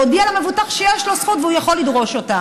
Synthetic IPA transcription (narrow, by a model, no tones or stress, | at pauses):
obialamevut̪aχʃejeʃlosχut̪veujaχo̞lid̪ʁo̞ʃo̞t̪a